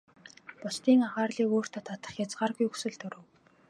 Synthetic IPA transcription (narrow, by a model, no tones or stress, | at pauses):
pʊst̪iːŋaʁaːrɮiːkoːr̥t̪ʰăt̪ʰat̪ə̆χjat͡sɢarɣujɵksɵ̆ɮt̪ɵɾɵ̆w